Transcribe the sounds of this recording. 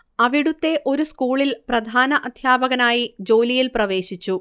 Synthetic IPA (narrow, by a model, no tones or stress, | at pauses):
ɐʋiɽut̪ːe̞ʔo̞ɾuskuːɭilprɐd̪ʱaːnɐʔɐd̪ʱjaːbɐɣɐnaːjid͡ʑo̞ːlijilprɐʋe̞ːɕit͡ɕːu